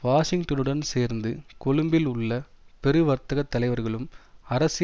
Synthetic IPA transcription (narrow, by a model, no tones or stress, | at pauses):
ʋaːʂɪŋʈɐnɯɽɐnseːɾnd̪ɯkɔɭɯmbɪlʊɭːɐ | pɛɾɯʋɐɾt̪ɐɣɐt̪ːɐlɐɪʋɐɾɣɐɭɯmɐɾɐsɪ